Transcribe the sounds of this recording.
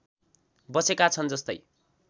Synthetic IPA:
bʌsekat͡sʰʌnd͡zʌst̪ʌ̰j

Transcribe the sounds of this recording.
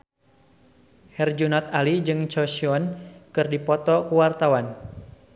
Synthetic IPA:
hɛrd͡ʒunɔt̪alid͡ʒɨŋt͡ʃɔsiɔnkɨrdipɔt̪ɔkuwart̪awan

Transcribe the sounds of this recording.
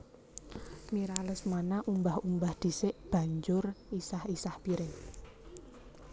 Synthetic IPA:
miɾaləsmanaʔumbahumbahd̪̥i̤sɪʔb̥ä̤ɲd͡ʒʊrisahisahb̥iɾɪŋ

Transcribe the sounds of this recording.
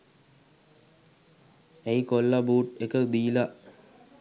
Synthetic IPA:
eikolːabuːʈekəd̪iːla

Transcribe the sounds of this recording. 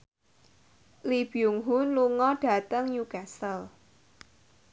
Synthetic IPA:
lib̥iuŋɦʊnluŋɔɖ̥a̤t̪əŋjukasəl

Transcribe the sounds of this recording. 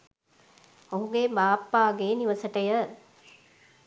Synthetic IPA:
oɦũɡebaːpːaːɡeːniʋɐsəʈəjə

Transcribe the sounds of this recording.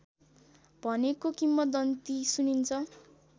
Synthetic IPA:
bʱʌnekokimːʌd̪ʌnt̪isunint͡sʰʌ

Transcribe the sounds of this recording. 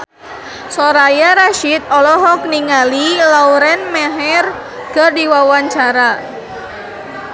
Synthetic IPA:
sɔɾajaɾaʃit̪̚ɔlɔɦɔk̚niŋalilauɾɛnmɛɦɛr | kərdiwawaɲt͡ʃaɾa

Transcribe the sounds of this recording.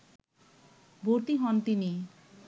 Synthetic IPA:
boɾt̪iɦɔnt̪ini

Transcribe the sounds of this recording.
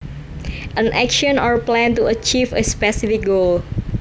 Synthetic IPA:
ʔə̃nʔɛkʃɔ̃nɔɹplɛ̃ntuət͡ʃivəspɛsifɪk̚ɡol

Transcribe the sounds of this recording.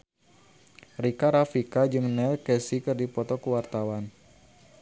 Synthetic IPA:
rikaɾafikad͡ʒɨŋnɛlkɛsikɨrdipɔt̪ɔkəwart̪awan

